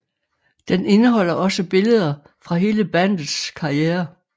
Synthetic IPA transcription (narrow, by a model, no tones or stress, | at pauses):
d̥ene̝nəɦɒ̽l̰ɐʔɒ̽səb̥e̝ləð̞ˠɐ | fʁɑ̈ɦe̝ːləb̥æn̰dð̩ˠskʰɑ̈ieːɐ